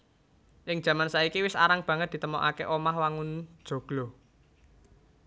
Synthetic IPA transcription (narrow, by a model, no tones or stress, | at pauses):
ʔɪŋ̥ʒ̥ä̤mansaikiwɪsa̰ɾaŋb̥ä̤ŋət̪̚d̪i̤t̪əmɔʔakeʔomahwaŋʊn̥ʒ̥o̤ɡ̥lɔ